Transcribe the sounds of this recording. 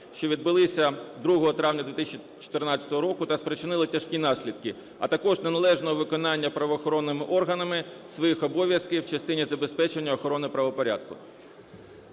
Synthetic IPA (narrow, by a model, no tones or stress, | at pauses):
ʃt͡ʃɔʋʲid̪̚bɪlˠɪsʲɐd̪ɾuɦɔɦɔt̪ɾɑʋwnʲɐd̪ʋʲɪt̪ɪsʲt͡ʃ | t͡ʃɔ̥t̪ɪrnɑt͡sʲɐ̥t̪ɔɦɔɾɔkʊt̪ɐspɾet͡ʃɪnɪlˠɪtʲɐʃkʲinɑsʲlʲid̪kɪ | ɐ̰t̪ɐkɔʒnenɐlˠɛʒnɔɦɔʋɪkɔnɑnʲːɐpɾɐʋɔːxɔɾɔnːɪmɪʔɔrɦɐnɐmɪ | sʋɔjixɔbɔʋʲjɐskɪjwt͡ʃɐst̪ɪnʲizɐbespɛt͡ʃenʲːɐɔxɔɾɔnɪpɾɐʋɔpɔɾʲa̰d̪kʊ̰